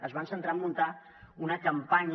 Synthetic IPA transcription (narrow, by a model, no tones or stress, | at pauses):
əzβansənt̪ɾamːunt̪a | unəkəmpaɲ